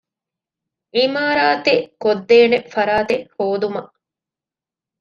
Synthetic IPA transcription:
ʔimaːɾaːt̪eʔkod̪ːeːnefɐɾaːt̪ehoːd̪umɐʔ

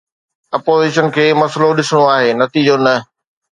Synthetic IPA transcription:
ɐpoːziːʃənkʰeːmɐsloɗɪsɽ̃oaːɦeːnɐt̪id͡ʑonɐ

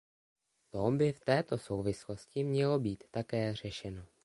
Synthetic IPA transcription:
t̪obɪft̪ɛːt̪o̞so̞wvɪslo̞scɪmɲɛlo̞biːt̪ːakɛːr̝ɛʃɛno̞

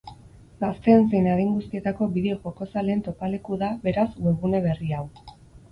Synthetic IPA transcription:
ɡast̪e̞nsejnaɾiŋɡust̪ie̞t̪ako̞biðeoʝoko̞sale̞ːnt̪o̞pale̞kuðaβe̞ɾaswe̞βune̞β̞e̞riaw

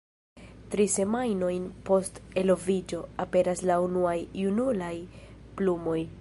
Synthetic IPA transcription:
tɾise̞majno̞jnpo̞ste̞lo̞vid͡ʒo̞ape̞ɾaslaunuajunulajplumo̞j

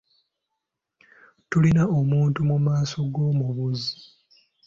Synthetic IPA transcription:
tulinaomuːntumumaːso̞ɡo̞ːmuβuzi

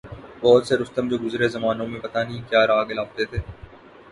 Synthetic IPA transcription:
bɔːt̪seɾʊst̪əmd͡ʒoːɡʊzɾezɐmaːnõmẽpɐt̪anɐɦĩkjaːɾaːɡɪlaːb̚t̪et̪ʰeː

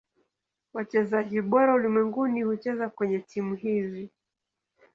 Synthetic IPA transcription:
wat͡ʃɛzaʄiɓɔɾaulimwɛŋɡunihut͡ʃɛzakwɛɲɛtimuhizi

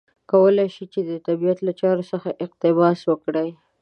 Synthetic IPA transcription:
kawəlajʃit͡ʃed̪ət̪abijat̪lat͡ʃɑɾosəxaʔɪqt̪ɪbɑswəkɽaj

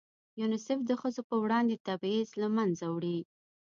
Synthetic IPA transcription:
junɪsɪfd̪əxəzopəwɽɑnd̪et̪abizlamanzawɽi

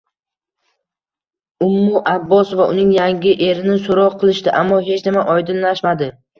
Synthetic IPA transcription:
ʊmːʊʔabːɒsvaʔʊnɪŋjaŋɡʲɪʔe̞ɾɪnɪsoɾɒqʰɨlˠɪʃt̪ɪʔamːɒɦe̞t͡ʃnɪmaʔɒjd̪ɪnlaʃmad̪ɪ

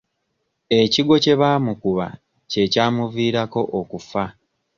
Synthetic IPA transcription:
e̞ciɡo̞ce̞βaːmukuβa̰ | ce̞caːmuviːɾako̞ʔokufa

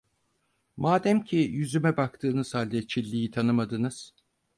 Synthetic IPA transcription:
maːd̪æmcʰijyzymɛbak̚t̪ʰɯːnɯz̥halʲd̪ɛt͡ʃʰilʲːijit̪ʰanɯmad̪ɯnɯz̥

